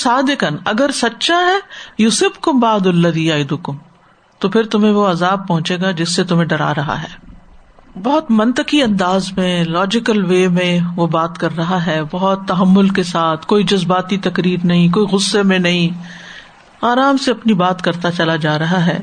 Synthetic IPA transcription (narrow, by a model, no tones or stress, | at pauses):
saːd̪ɪkənɐɡəɾsɐtːʃaɦɛjʊsʊfkʊmbaːd̪ʊlːɐd̪iːaːɪd̪ʊkʊm | t̪opʰɪɾt̪ʊmẽʋoɐzaːb̚pɐ̃ɦʊ̃t͡ʃeːɡad͡ʒɪsːet̪ʊm̤ẽɖɐɾa̰ːɾɐɦa̰ɦɛː | bɐɦʊt̪mɐ̃nt̪əkiɐ̃nd̪aːzmẽlɔːd͡ʒɪkəlʋeːmẽʋobaːt̪kɐɾːɐɦaɦɛːbɐɦɔt̪ːɐɦɐmːʊlkesaːt̪ʰkoːid͡ʒɐzbaːt̪it̪ɐkɾiːɾnɐɦĩk̬oːiɣʊsːemẽnɐɦĩ | aːɾaːmseɐpnibaːt̪kɐɾt̪at͡ʃɐlad͡ʒaːɾɐɦaɦɛː